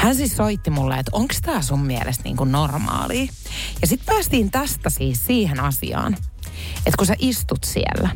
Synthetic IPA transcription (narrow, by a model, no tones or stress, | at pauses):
hænsissoit̪ːimulːḛet̪oŋkst̪æːsummielʔest̪nḭːŋkunnormɑ̰ːliː | jɑsit̪pæːst̪iːnt̪æst̪æsiːssiːhenɑsḭɑ̰ːn | et̪kuseʔist̪ut̪siḛlːæ